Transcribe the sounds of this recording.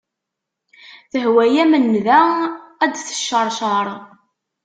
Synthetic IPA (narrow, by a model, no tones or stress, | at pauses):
θəɦwæjæmənːðææd̪θə̥ʃːəɾˤʃɑɾˤ